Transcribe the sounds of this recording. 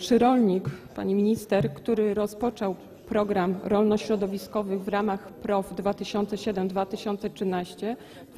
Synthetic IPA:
ʂɘɾɔlɲikpa̰ɲimʲiɲist̪ɛɾkt̪uɾɘɾɔspɔt͡ʂɔw | pɾɔɡɾamɾɔlnɔɕɾɔd̪ɔvʲiskɔvɘɣvɾamaxpɾɔvd̪vat̪ɘɕɔnt̪sɛɕɛd̪ɛmd̪vat̪ɘɕɔnt̪sɛtʂɘnaɕt͡ɕɛ

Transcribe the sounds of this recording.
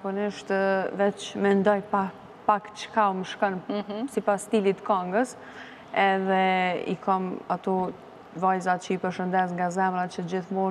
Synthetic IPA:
puniʃt̪vɛt͡ʃmɛnd̪ɔjpa | pakt͡ʃkauməʃkənsipast̪ilit̪kɔŋɡəs | ɛðɛḭkʰamat̪ɔ | vajzat͡ʃəipəɾʃənd̪ɛsŋɡazɛmɾat͡ʃət̪əd͡ʑiθmun

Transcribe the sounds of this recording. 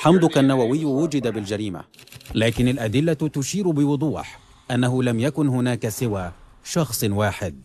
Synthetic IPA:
ħamd̪ʊkanːawawɪjːwʊd͡ʒɪd̪abɪld͡ʒaɾiːma̰laːkɪnalʔad̪ɪlːat̪ʊʃiːɾbɪwʊd̪ˤuːħ | ʔanːaɦʊlamjakʊnhʊnaːkasɪwaː | ʃɑxsˤwaːħɪd̪̚

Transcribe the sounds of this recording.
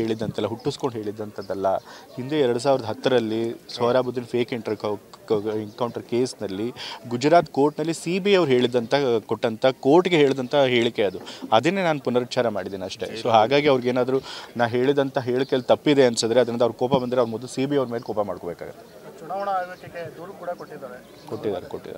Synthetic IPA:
eːɭid̪ːɐnt̪ʰɐɛlːɐɦuʈːusko̞ɳɖɦe̞ːɭid̪ːɐnt̪ʰɐd̪ːɐlːɐhind̪e̞ɛɾɐɽus̬aːʋiɾɐd̪ɐɦɐt̪ːɐɾɐlːisoːɾaːbud̪ːinpʰeːkiɳʈɐɾk | ɛŋkɐwɳʈɐɾke̞ːsnɐlːiɡud͡ʒɾaːt̪ko̞ːɾʈnɐlːisiːbiɐʋɾuɦe̞ːɭid̪ːɐnt̪ʰɐkoʈːɐnt̪ʰɐkoːɾʈɡeɦeːɭd̪ɐnt̪ʰɐɦe̞ːɭikːe̞ɐd̪uɐd̪ɐnːenaːnupunːɐɾt͡ʃaːɾɐma̰ːɽid̪iːniɐʂʈe̞̰soːɦaːɡaːɡiɐʋɐɾiɡeːnaːd̪ɾunaːʋɦe̞ːɭid̪ɐnt̪ʰɐɦe̞ːɭikːejlːt̪ɐpːid̪eɐnt̪sɐd̪ɾeɐd̪ɾind̪ɐʋɐɾkɔːpɐbɐnd̪iɾeɐʋɐɾmɔd̪lusiːbijɐʋɾmeːlkɔːpɐma̰ːɽkobeːka̰ːɡɐt̪ːe | t͡ʃunaːʋɐɳɐaʋeʈːikːed̪uːɾɐkuːɽɐkoʈːid̪aːɾe | ko̞ʈːid̪aːɾḛkoʈːid̪a̰ː

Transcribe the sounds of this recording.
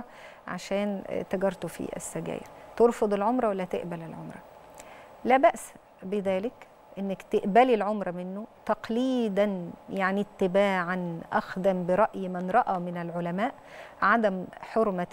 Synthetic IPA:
ʕa̰ʃæːnt̪æɡɑɾˤt̪ofḭʔḛsːæɡæ̰ːjɪ̰ɾt̪oɾˤfod̪ˤelʕomɾˤɑwælːæt̪ḛʔbælɪlʕomɾˤɑ | læːbæʔs | beðæːlɪk | ʔɪnːækt̪eʔbælilʕomɾˤɑmɪnːot̪ɑqliːd̪ænjaʕnit̪ːɪbaːʕanʔæxd̪æmbɪɾˤɑʔjmænɾˤɑʔæmɪnælʕolæmæːʔ | ʕad̪æmħoɾmæ

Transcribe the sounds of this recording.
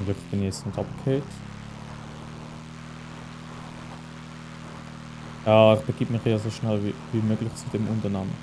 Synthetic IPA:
nløfb̥ɪnjɛt͡stnɛtɑpkʰeːt | jaːɪχb̥əɡ̥iːbmɪχjeːzoʃnɛlviːmøːɡlɪt͡sud̥ɛmʔʊntənamə̰

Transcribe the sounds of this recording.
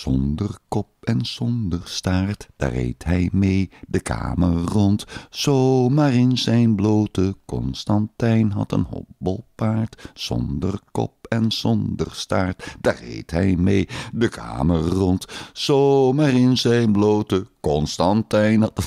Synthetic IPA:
z̥ɔndərkɔp̚ɛnz̥ɔndərstaːɹtd̥a̰ːɹḛjtɦɛjmejdəkʰa̰ːmərɔntz̥omaːrɪnzɛjnblowtəkɔ̰nstɑntɛjnɦɑ̰tə̰nɦɔ̰t̚bəlˠpaːɹtz̥ɔ̰ndərkɔ̰p̚ɛnz̥ɔndəɹstaːɹtd̥aːɹḛjtɦɛjmejdəkʰa̰ːmərrɔntsomaːrɪnzɛjnblowtəkɔnstɑntɛjnɦɑtə

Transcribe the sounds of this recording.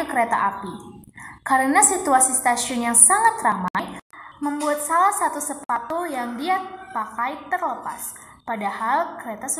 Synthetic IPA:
kəɾet̪a̰ʔapi | kaɾənasit̪uasist̪asiʊnjaŋsaŋat̪ramajməmbuat̪̚salahsat̪usəpat̪ujaŋdiapakajt̪ərləpa̰s | padahalkəɾet̪as

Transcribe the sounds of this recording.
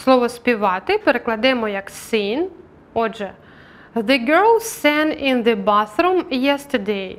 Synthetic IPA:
slˠɔʋɔspʲiʋɑt̪ɪpeɾeklˠɐd̪ɛmɔjɐksɪn | ɔʒɛ | ðɨɡɛɹlˠsɛ̃nɪ̃nðəbaθɾumjɛstədej

